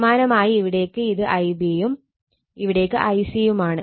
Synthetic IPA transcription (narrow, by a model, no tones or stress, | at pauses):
maːnɐmaːjiːʋiɽe̞ːkːɨiðɨʔɐjbiɐjum | iʋiɽe̞kːɨʔɐjsjɐjumaːɳɨ